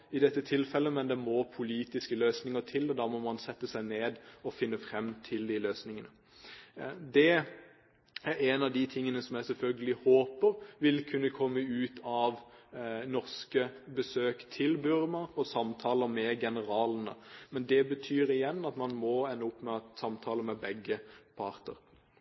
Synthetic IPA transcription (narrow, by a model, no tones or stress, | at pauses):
ɪd̪ɛt̪ːət̪ʰɪlfɛlːəmɛnd̪ɛmɔpʰʊliːt̪ɪskəløːsnɪŋət̪ʰɪlɔd̪ɑːmɔmɑnsɛt̪ːəsæɪneːd̪ɔfɪnːəfɾɛmt̪ʰɪld̪ɪløːsnɪŋənə | d̪ɛ | æɾɛnɑʋd̪it̪ʰɪŋːənəsɔmjæɪsɛlfœlɡəlɪhoːpəɾʋɪlkʰʉnːəkʰɔmːəʉːt̪ʰɑʋ | nɔʁskəbəsøːkt̪ʰɪlbʉɾmɑɾɔsɑmt̪ʰɑːləmɛɡɛnəɾɑːlənə̰mɛnd̪ɛbət̪ʰyːɾɪjɛnːɑt̪mɑnmɔɛnːəʊpːmɛsɑmt̪ʰɑːləmɛbɛɡːəpʰɑʁt̪ə̰ɾ